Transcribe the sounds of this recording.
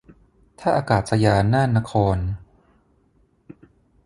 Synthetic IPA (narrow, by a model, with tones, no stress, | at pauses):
t̪ʰaː˥˩ʔaː˧kaː˨˩t̪̚sa˧jaː˧nːaː˥˩nːa˦˥kʰɔː˧n